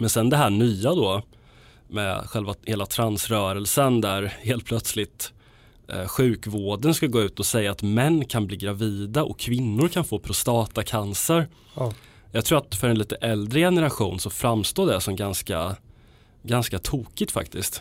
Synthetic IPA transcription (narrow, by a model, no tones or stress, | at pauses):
mɛnsɛnd̪ɛɦæːɳyːad̪ɔ | mɛ̰ɧɛlvaheːlat̪ʰɾansɾœːɾəlsənd̪æɾheːlt̪pʰlœt̪slɪt̪ | ɧʉ̟ːkvoːɖənskaɡoːʉ̟ːt̪ɔsɛjːaːt̪mɛnːkʰanbliːɡɾaviːd̪aʔɔ̰kʰːvɪnːʊɾkʰanfoːpʰɾʊst̪ɑːt̪akʰansəɾ | jɑɡt̪ʰɾuːat̪fœɾɛnliːt̪əʔɛld̪ɾəjɛnəɾaɧuːnsɔfɾamst̪oːd̪ɛsɔmɡanska | ɡanskat̪ʰuːkɪt̪fa̰kt̪ɪskt̪